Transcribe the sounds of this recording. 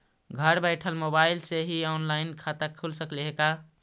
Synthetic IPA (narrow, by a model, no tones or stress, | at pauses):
ɡʱəɾbɛɪʈʰəlmobaɪlseɦiɔnlaɪnkʰat̪əkʰulsəkleɦeka